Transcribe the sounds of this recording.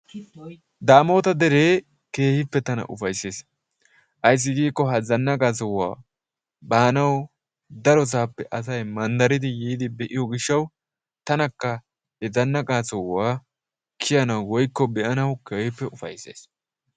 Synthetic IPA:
d̪aːmo̞ːt̪ɐd̪ɛɾeː | ke̞ːhɪpːɛt̪ɐnɐ̰ʔʊfɐjse̞ːs | ʔɐjs̬ːɪɡiːkːɔɦɐzɐnːɐkʼaːsɔwːa̰ː | baːnɐw | d̪ɐɾɔs̬aːpːɛʔɐs̬ɐjmɐnd̪ɐɾɪd̪ɪjiːd̪ɪbɛʔɪjɔɡɪʃːɐw | t̪ɐnɐkːɐ | ɛzɐnːɐkʼaːsɔwːaː | kʰɪjɐnɐwwɔjkːɔbɛʔɐnɐwkeːhɪpːɛʊfɐ̰jse̞̰ːs

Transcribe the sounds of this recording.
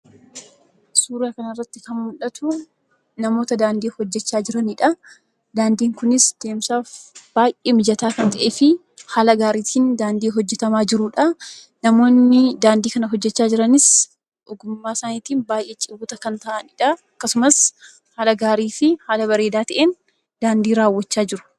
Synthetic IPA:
suːɾaːkɐnɐrːɐt̪ːɪkɐnmʊᶑɐt̪ʊ | nɐmo̞ːt̪ɐd̪aːnd̪iːhɔd͡ʒːɛt͡ʃːaːd͡ʒɪɾɐnɪᶑɐ | d̪aːnd̪iːŋkʊnɪsd̪̥e̞ːmsaːfb̥aːjʔeːmɪd͡ʒɐt̪aːkɐnt̪ɐʔeːfɪ | haːlɐɡaːɾiːt̪ʰiːnd̪aːnd̪iːɦɔd͡ʒːɛt̪ɐmaːd͡ʒɪɾʊᶑɐ | nɐmo̞ːnːɪd̪aːnd̪iːkɐnɐɦɔd͡ʒːɛt͡ʃːaːd͡ʒɪɾɐnɪs | ʔʊɡʊmːaːsaːniːt̪iːnbaːjʔet͡ʃʼɪbʊːt̪ɐkɐnt̪ɐʔɐnɪᶑɐɐkːɐsʊmɐs | haːlɐɡaːɾiːfɪhaːlɐbɐɾe̞ːd̪aːt̪ɐʔeːn | d̪aːnd̪iːɾaːwːɐt͡ʃːaːd͡ʒɪɾʊ̥

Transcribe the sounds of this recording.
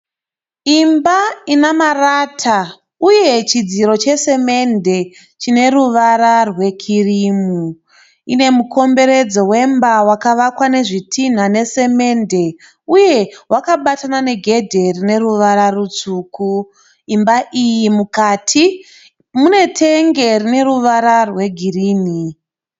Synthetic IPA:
imbainamaraːtʰa | uje̞t͡ʃid͡ziɾo̞t͡ʃe̞se̞me̞nde̞ | t͡ʃine̞ɾuʋaɾarwe̞kʰiriːmu | ine̞muko̞mbe̞ɾe̞d͡zowe̞mbawakaʋakwane̞ʐitʰin̤ane̞se̞me̞nde̞ | uje̞wakaɓatanane̞ɡʱe̞dʱe̞rine̞ruʋaɾarut͡suːku | imbaʔijimukaːtʰi | mune̞tʰe̞ŋɡe̞rine̞ɾuʋaɾarwe̞ɡʱiriːni

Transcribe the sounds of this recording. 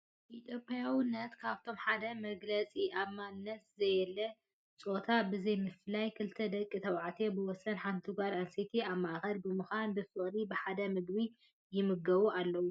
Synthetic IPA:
ʔit̪ʰjo̞pʼːjawnːɐt̪kʰaβt̪ʰo̞mħad̪ɐmɐɡlɐt͡sʼiʔaβmannːɐt̪zɐjɛlːɐ | t͡sʼo̞t̪ʰabɨzɐjmɨflajkʰɨlt̪ʰɐd̪ɐkʼːit̪ʰɐwʕat̪ʰebɨwɔsɐnħant̪ʰɨɡaɾanset̪ʰiaβmaʔxɐlbɨmɨxanbɨfɨχʼlibɨħad̪ɐmɨɡbi | jɪmɨɡɐβuʔalːɐwu

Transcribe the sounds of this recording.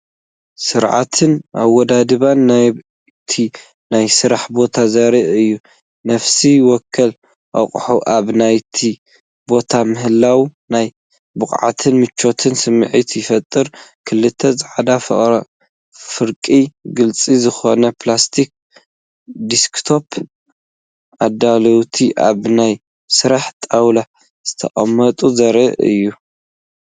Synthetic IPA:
sɨɾʕa̰t̪ʰɨnʔaβːɔd̪ad̪ɨβanːa | t̪ʰi | najsɨɾaħbo̞t̪ʰazɐɾiʔɨjːu | nɐfsiwɔkʰːɐl | ʔa̰χʼħuʔaβnajt̪ʰi | bo̞t̪ʰamɨɦɨlːawnaj | bɨχʼʕa̰t̪ʰɨnmɨt͡ʃːo̞t̪ʰɨnsɨmːʕit̪ʰjɪfɐt̪ʼːɨɾkʰɨlːɨt̪ʰːɐzɨʕad̪a | fɨɾkʼiɡɨlt͡sʼizɨxo̞nɐpʰlast̪ʰik̚ | d̪iskt̪ʰo̞pʰ | ʔad̪alowt̪ʰiʔa̰βnaj | sɨɾaħt̪ʼawla | z̥ɨt̪ʰɐ̰χʼɐ̰mːɐt̪ʼuzɐɾɨʔɨ̰jːu

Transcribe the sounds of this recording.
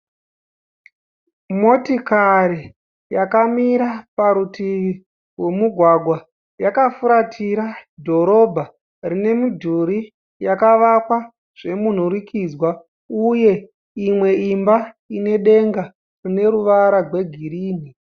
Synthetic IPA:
mo̞tikaɾi | jakamiɾapaɾuti | we̞muɡʱwaɡʱwa | jakafuɾatʰiɾadʱo̞ɾo̞bʱa | rine̞mudʱuɾi | jakaʋakwa | ʐ̥e̞mun̤uɾikid͡zwa | uje̞ | imwe̞imba | ine̞ɗe̞ŋɡa | rine̞ɾuʋaɾarwe̞ɡʱiɾiːni

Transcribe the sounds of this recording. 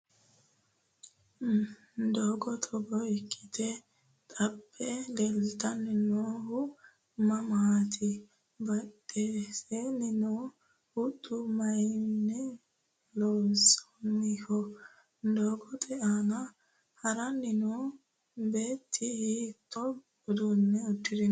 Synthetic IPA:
d̪oːɡɔt̪ʰɔɡɔɪkʰːɪ̥t̪ɛ | t̪ʼɐbʼːɛlɛlt̪ɐnːɪnoːhʊ | mɐmɐhat̪ʰɪ | bɐt̪ʼːesenɪnoː | hʊt̪ʼːʊmɐjnːɛ | lɔwsɔ̥mɪhɔ | d̪oːɡɔt̪ʼɛʔanɐ | hɐɾɐnːɪno | be̞ːt̪ʰːɪhit̪ʰːɔ | ʊd̪unːɛɔt̪ːɪd̪ɪn

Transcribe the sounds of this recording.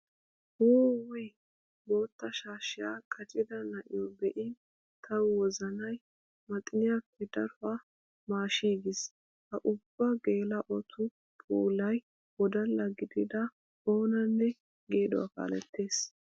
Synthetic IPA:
woːwɛj | bo̞ːt̪ːɐʃaːʃɪjakʼɐt͡ʃʼɪd̪ɐnɐʔɪjɔbɛʔɪ | t̪ʰɐwwɔzɐnɐj | mɐt̪ʼɪnɪjapːɛd̪ɐɾfa | maːʃiːɡɪs | hɐʔʊbːɐɡe̞ːlɐʔɔt̪ʰʊ | pʼuːlɐj | wɔd̪ɐlːɐɡɪd̪ɪd̪ɐ | o̞ːnɐnːɛ | ɡe̞ːd̪ɔ̰wa̰ka̰ːlɛ̰t̪ːe̞ːs

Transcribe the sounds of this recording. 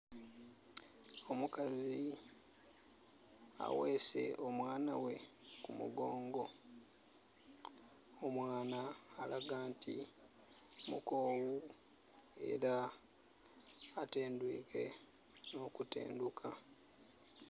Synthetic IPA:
o̞mukazi | a̰weːse̞o̞mwaːnawe̞kumṵɡo̞ːŋɡo̞ | omwaːnaːlaɡaːntḭ | mṵko̞ːwu | e̞̰ɾa | teːndwiːke̞ | no̞kutḛːndukʰa

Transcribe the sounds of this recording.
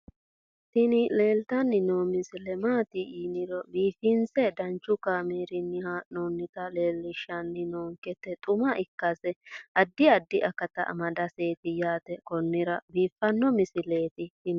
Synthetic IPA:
t̪ɪnɪle̞ːlt̪ɐnːɪnoːmɪsɪlɛmaːt̪ɪʔiːnɪɾɔbiːfɪnsɛd̪ɐnt͡ʃːʊkaːmeːɾɪnːɪhanonːɪt̪ɐleːlːɪʃːɐnːɪnoːŋkɛt̪ːɛt̪ʼʊmɐʔɪkːɐsɛʔɐd̪ːɪɐd̪ːɪʔɐkːɐt̪ɐʔɐ̰mɐd̪ɐse̞ːt̪ɪjaːt̪ɛkɔnːɪɾɐbiːfːɐnːɔmɪsɪle̞ːt̪ɪt̪ɪn

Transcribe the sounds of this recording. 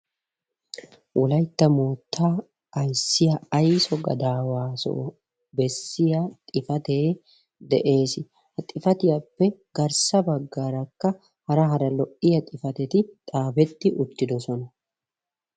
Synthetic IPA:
wʔɔlɐjt̪ːɐmoːt̪ʰːaː | ʔɐjsːɪjɐɐjsɔɡɐ̰d̪aːwaːso̰ | bɛsːɪjɐt̪ʼɪfɐt̪eː | d̪ɛ̰ʔe̞ːsɪ | hɐt̪ʼːɪfɐt̪ɪjɐpːɛɡɐɾsɐbɐɡːaɾɐkːɐ | hɐɾɐɦɐɾɐlɔʔɪjɐt̪ʼɪfɐt̪ɛt̪ɪt̪ʼaːbɛt̪ːɪʔʊt̪ːɪd̪ɔsɔnɐ

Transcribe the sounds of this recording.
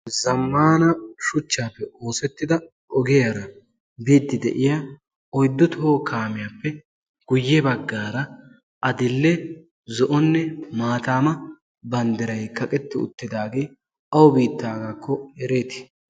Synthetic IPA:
zɐmːaːnɐʃʊt͡ʃːaːpːɛoːsɛt̪ːɪd̪ɐ | ɔɡɛjɐɾɐ | biːd̪ːɪd̪ɛ̰ʔɪja | ɔjd̪ːɔt̪oːkʰaːmɪjaːpːɛ | ɡ̥ʊjːɛbɐɡːaːɾɐ | ʔɐd̪ɪlːɛ | zɔʔɔnːɛmaːt̪aːmɐ | bɐnd̪ɪɾɐjkɐkʼɛt̪ːɪʊ̰t̪ːɪd̪aːɡeː | ɐwɔbiːt̪ːaːɡakːɔɛɾeːt̪ɪ̥

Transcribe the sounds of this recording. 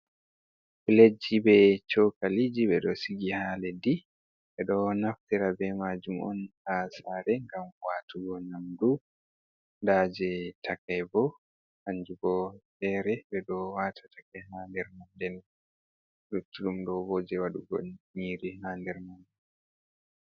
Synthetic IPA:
biled͡ʒibɛt͡ʃokalid͡ʒiɓɛɗɔsiɡihaːlɛdi | ɓɛɗɔnaftɛɾabɛmad͡ʒumɔ̰nhaːsaɾɛŋɡamwatʰuɡɔnamdu | dad͡ʒɛtakajbɔ | haɲd͡ʒuɡɔfɛɾɛbɛɗɔwatʰatakɛhandɛɾmandɛn | lutːulumɗɔbɔd͡ʒɛwaɗuɡɔ̰ɲiːɾihandɛɾmandɛn

